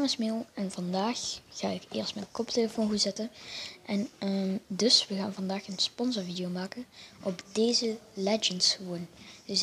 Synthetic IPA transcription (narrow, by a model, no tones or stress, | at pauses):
ŋəsmɪːlˠɛnvɑndaːxːa̰ːɪkɪ̰ːɹstmɛnkɔpdəːvɔnɣuzɛtənʔɛnədɵsʋəɣaːnvɑndaːxənspɔnsɔɹvidijomaːkənʔɔpdejzəlɛd͡ʒəntsxəʋond̥əs